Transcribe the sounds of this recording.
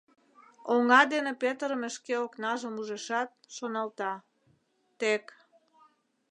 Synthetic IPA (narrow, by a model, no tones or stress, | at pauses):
oŋɑd̪enepet̪əɾəmə̆ʃkeoknɑʒəmuʒeʃɑt̪̚ʃonɑlt̪ɑ | t̪ek